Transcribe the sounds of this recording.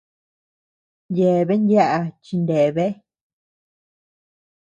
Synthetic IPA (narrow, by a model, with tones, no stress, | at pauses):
nje˨βe˦nja˦ʔa˧t͡ʃi˧nd̪e˨βe˦